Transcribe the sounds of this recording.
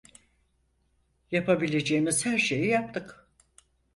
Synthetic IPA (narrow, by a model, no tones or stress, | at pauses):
japʰabilʲe̞d͡ʒeːmiz̥hæɾʃe̞jijap̚t̪ʰɯk